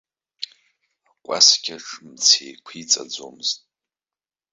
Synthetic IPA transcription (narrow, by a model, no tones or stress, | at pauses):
akʷʼa̰skʲʰʼaʈ͡ʂʰʼmt͡sʰejkʷʰit͡sʼa̰d͡zo̰mɨz̥tʼ